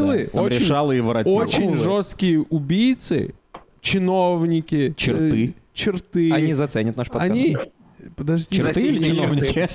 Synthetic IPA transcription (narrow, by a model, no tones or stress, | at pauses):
lˠɨoɾʲɪɪʂalˠɨivɨɾɐtolt͡ɕɪnʐost̪kʲɪjəʔʊbʲijt̪sɨ̰ | t͡ɕɪnovnʲɪkʲɪt͡ɕɪrt̪ɨt͡ɕɪrt̪ɨɐnʲizɐt̪sɛnʲət̪naʂpɐɐnʲi | pəd̪ɐʐdʲiɪɾt̪ɪnovnʲɪkʲ